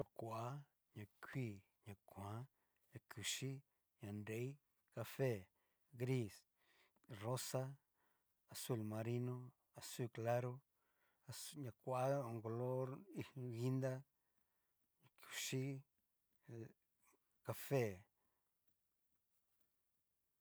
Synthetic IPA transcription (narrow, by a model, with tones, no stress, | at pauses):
o˧˨kʷa˨a˦ | ɲã˨kʰʷiː˦˨ | ɲã˨kʷã˨˦ | ɲã˧˨ku˨ʃi˦ | ɲã˨nde˨˦i˦ | ka˧fe˦˨ | ɡɾi˦˨s | ro˦sa˦ | a˨su˧˨lmã˧ɾi˦nõ˦ | a˨su˦˨kla˦ɾo˦ | a˨sɲã˧˨kʷa˦˨a˦o˨ŋɡo˧lo˦ɾi˧ɣi˦nd̪a˦ | ɲã˧˨ku̥˨ʃi˦ | ka˧fe˦˨